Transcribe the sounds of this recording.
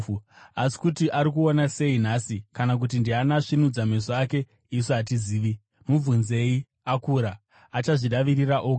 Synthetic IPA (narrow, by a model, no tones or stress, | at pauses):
asi̥kutiʔaɾik̬uonase̞inasikanak̬ut̬indianaʂinud͡zame̞soake̞ | isoɦatiziːʋi | muvunze̞i | akuɾaː | t͡ʃaʐiɗaʋiriraʔoː